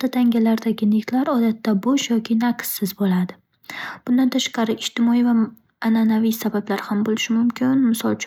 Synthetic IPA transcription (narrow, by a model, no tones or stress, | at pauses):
t̪ʰːat̪ʰaŋɡʲalaɾd̪aɡʲɪnekʲt̪ʰlaɾɒd̪at̪ːabɒʃjɒkʲʰɪnaqsːɪzbolad̪ɪ | b̥ʊnd̪ant̪ʰaʃqɑɾɪʔɪd͡ʒt̪ʰɪmɒiva | ananavijsabablaɾhambolɪʃɪmʊmkʲʰɪnmɪsɒlˠt͡ʃʰ